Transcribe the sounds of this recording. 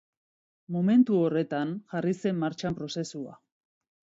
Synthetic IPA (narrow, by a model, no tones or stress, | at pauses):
mome̞nt̪uo̞re̞t̪anʝarise̞mːaɾt͡ʃampɾo̞se̞sua̰